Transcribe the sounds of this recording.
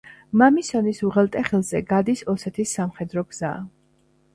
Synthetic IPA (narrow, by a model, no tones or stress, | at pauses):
mamisɔnisuʁɛlˠt̪ʼɛχɛlˠzɛɡad̪isɔsɛt̪ʰisːamχɛd̪ɾɔɡz̥a̰ː